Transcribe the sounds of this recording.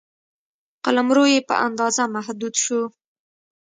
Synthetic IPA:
qalamɾojepə̰ʔa̰nd̪ɑzamaɦd̪ud̪ʃu

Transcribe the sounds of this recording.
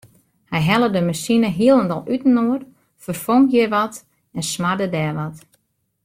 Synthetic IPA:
hɛjɦɛlˠədəmasinəɦiəlˠəndɔlˠytn̩oər | fərfoŋkjɪʋɔt | ɛnsmadədɛːʋɔt

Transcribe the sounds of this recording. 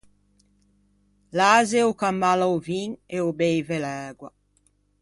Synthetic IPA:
laːzeokamːalawviŋeobejvelɛːɡwa

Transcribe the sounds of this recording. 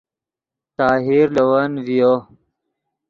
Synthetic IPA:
t̪aːɦiɾlɐwanvijo

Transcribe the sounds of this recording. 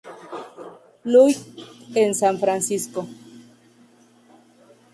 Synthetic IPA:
lujensaɱfɾansisko

